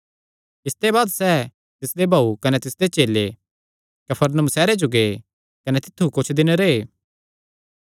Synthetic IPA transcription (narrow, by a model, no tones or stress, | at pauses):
ɪst̪ebaːd̪sɛː | t̪ɪsd̪ebʱaːukɐnet̪ɪsd̪et͡ʃeːle | kɐpʰəɾnəũsɛːɾed͡ʒʊɡe | kɐnet̪ɪt̪ʰːukʊt͡ʃʰd̪ɪneɾeeː